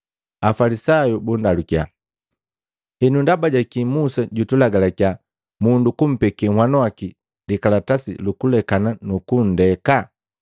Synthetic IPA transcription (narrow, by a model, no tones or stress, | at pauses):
afalisajubundalukja | ɛnundabaɟakimusaɟutulaɡalaka | mundukum̩pɛkɛŋwanwaki | likalatasḭlukulɛkananukun̩dɛka